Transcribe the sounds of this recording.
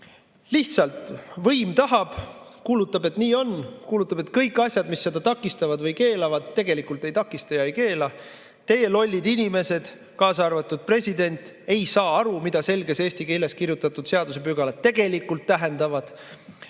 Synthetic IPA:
liht̪sɑlt̪vɤjmt̪ɑɦɑb̥kuːlut̪ːˑɑbe̞t̪niːo̞nkuːlut̪ːˑɑbe̞t̪kɤjkːˑɑsʲjɑd̪̥misːe̞d̪ɑt̪ɑkːˑist̪ɑvɑd̪vɤjke̞ːlɑvɑd̪̥̚t̪e̞ɡe̞likult̪ːˑe̞jt̪ɑkːˑist̪ɑjɑejke̞ːlɑ | t̪e̞je̞lo̞lʲːid̪inʲime̞se̞d̪̥ | kɑːsɑrvɑt̪ːˑud̪̥̚pre̞sʲid̪e̞nʲt̪ˑe̞jsɑːɑɾumid̪̥ɑse̞lɡe̞se̞ːsʲt̪ikele̞skirjut̪ːˑɑt̪ːˑud̪̥se̞ɑd̪use̞pyɡ̥ɑlɑt̪e̞ɡ̥e̞likːult̪ːæɦe̞nd̪ɑvɑd̪̥

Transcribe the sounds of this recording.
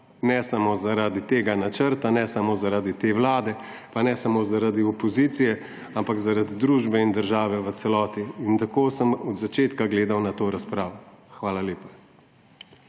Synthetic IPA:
nɛsamozaɾaːd̪it̪eːɡanat͡ʃəɾt̪anɛsamozaɾaːd̪it̪eːʋlaːd̪ɛ | panɛsamozaɾad̪iɔpɔziːt̪sijɛ | ampaɡzaɾad̪id̪ɾuːʒbɛind̪əɾʒaːʋɛʋət̪sɛlɔːt̪iːnt̪akoːsəmɔd̪zat͡ʃeːt̪kaɡleːd̪awnat̪oːɾaspɾaːʋɔxʋaːlaleːpḁ

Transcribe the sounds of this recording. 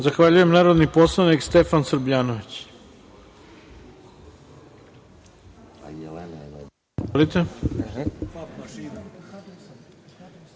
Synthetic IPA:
zaxʋaʎujemnaːɾo̞d̪niposlˠanikst̪efansɾbʎaːnoʋit͡ɕ | lit̪e

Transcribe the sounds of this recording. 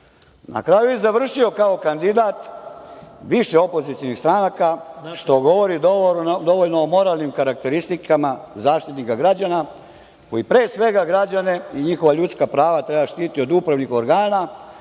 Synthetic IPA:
na̰kɾajujɛzaʋr̩ʃio̞kao̞kand̪id̪aːt̪ | ʋiʃeo̞po̞zit̪sijonist̪ɾanakaʃt̪o̞ɡo̞ʋo̞ɾid̪d̪o̞ʋo̞ʎnoːmo̞ɾaːlˠnimkaɾak̚t̪e̞ɾist̪ikʰamazaːʃt̪it̪nikaɡɾad͡ʑana | ko̞jipɾe̞ːsʋe̞ɡaɡɾad͡ʑane̞iɲixo̞ʋaʎut̪skapɾaːʋat̪ɾebaʃt̪iːt̪io̞d̪upɾaʋnixo̞ɾɡaːna

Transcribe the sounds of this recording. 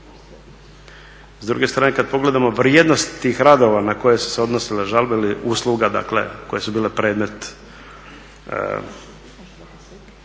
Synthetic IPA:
zd̪ɾṵɡe̞st̪ɾaːnekad̪̚po̞ɡle̞d̪amo̞ʋɾjeːd̪no̞st̪ːiːxɾad̪o̞ʋanako̞jesu̥seo̞d̪nosileʒalbeiliʔuːslˠuɡad̪a̰klḛko̞je̞subiːle̞pɾe̞ːd̪me̞t̪

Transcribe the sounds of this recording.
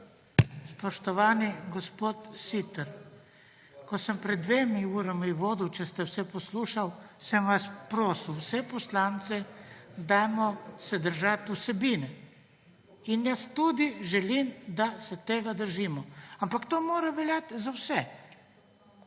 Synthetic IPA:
spɔʃt̪ɔʋaːniɡɔspoːt̪sit̪əɾ | kɔsəmpɾɛd̪ːʋeːmiuːɾamiʋoːd̪iwt͡ʃɛst̪ɛwsɛpɔsluːʃawsɛmʋaspɾoːsiwsɛpɔslant̪sɛd̪ajmɔsɛd̪əɾʒat̪usɛbiːnɛ | injast̪ud̪iʒɛlimd̪asɛt̪eːɡad̪əɾʒiːmɔampakt̪oːmoːɾaʋɛlʲjat̪zawsɛ

